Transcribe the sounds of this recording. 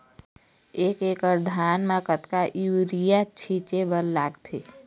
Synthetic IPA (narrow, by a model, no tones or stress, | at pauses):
eːkeːkəɾd̪ʱaːnmãkət̪kaʔiwɾijat͡ʃʰit͡ʃebəllaːɡt̪ʰeː